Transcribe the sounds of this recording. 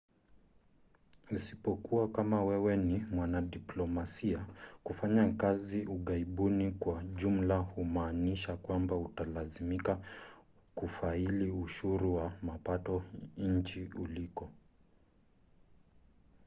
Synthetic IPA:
usipɔkuakamawɛwɛnimwanaɗiplɔmasiakufaɲakaziuɠaiɓunikwaʄum̩lahumaːniʃakwambautalazimika | kufailiuʃuɾuwamapatɔɲ̩t͡ʃiulikɔ

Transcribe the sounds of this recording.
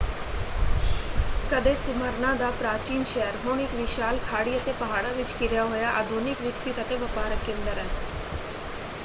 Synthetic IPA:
kəd̪eːsɪməɾnãːd̪aːpɾaːt͡ʃiːnʃɛəɾɦʊɳ̃ɪkʋɪʃaːlkʰaːɽiːət̪eːpəɦaːɽaːʋɪt͡ʃkɪɾjaːɦoːjaːʔaːd̪ʱuːnɪkʋɪksit̪ət̪eːʋəpaːɾəkːẽːnd̪əɾɛː

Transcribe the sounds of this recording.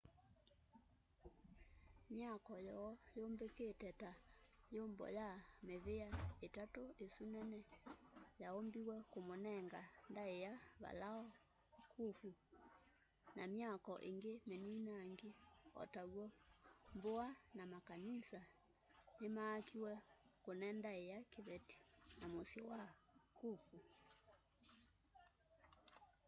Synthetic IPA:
mjakɔjɔːjoːmbeketɛtajombɔ̰jameβeaetatoesunɛnɛ | jaombiwɛkomonɛŋɡandaejaβa̰laɔ | kʰufu | namjakɔʔeŋɡemeninaŋɡeɔ̰taɣwɔmboanamakanisa | nemaːkiwɛkonɛndaejakeβɛti̥namosewakufu

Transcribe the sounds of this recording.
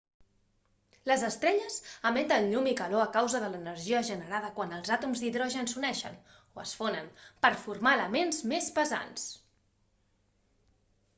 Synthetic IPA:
ləzəst̪ɾɛʎəzəment̪əlɲumikəloəkawzəðələnəɾʒiəʒənəɾaðəkwanəlˠzat̪umzðiðɾɔʒənsunɛʃə̰n | oəsfonənpəɾfuɾmaːləmenzmespəza̰ns

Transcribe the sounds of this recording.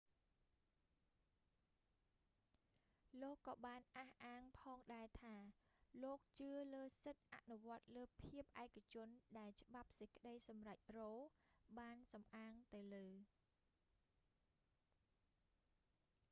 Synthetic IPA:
loːkːɑːɓaːnʔaːhʔaːŋpʰɑːŋɗaɛt̪ʰaːloːk̚t͡ɕɨələːsɨt̪̚ʔa̰ʔnuʋŏət̪̚ləːpʰiəp̚ʔaɛkːat͡ɕʊ̆ənɗaɛlt͡ɕə̆ɓap̚sɨc̚kə̆ɗəjsɑmrac̚roːɓaːnsɑmʔaːŋt̪ɨwləː

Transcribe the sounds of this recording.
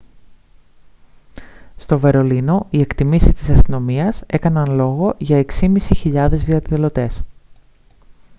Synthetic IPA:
st̪o̞ve̞ɾo̞lino̞ie̞kt̪imisist̪isɐst̪ino̞miɐse̞kɐnɐnlo̞ɣo̞ʝɐe̞ksimisiçiʎɐðe̞zðiɐðilo̞t̪e̞s

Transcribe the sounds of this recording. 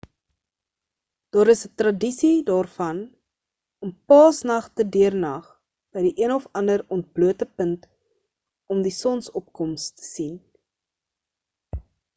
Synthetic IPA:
d̥ɑːɾəsətrɐdisidɑːrfɐn | ɔmpɑːsnɐχtədyərnɐχ | b̥əjdiʔiənɔfɐndərɔnt̚bluətəpənt | ɔmdisɔnsɔp̚kɔmstə̥sin

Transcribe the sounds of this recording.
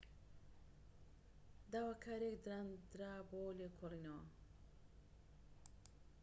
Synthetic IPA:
d̪awakʰaɾekd̪ɾand̪ɾabolekʰolinɐwa̰

